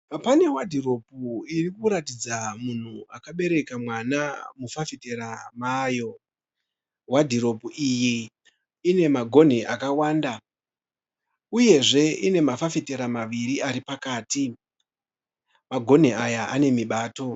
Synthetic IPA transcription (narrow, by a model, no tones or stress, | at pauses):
apane̞wadʱiro̞puirikuɾatid͡zamun̤uakaɓe̞ɾe̞kamwanamufafite̞ɾamaːjo̞ | wadʱiɾo̞puʔiji | ine̞maɡʱo̞n̤iʔakawaːnda | uje̞ʐe̞ine̞mafafite̞ɾamaʋiɾiʔaɾipakaːti | maɡʱo̞n̤iajaane̞miɓaːto̞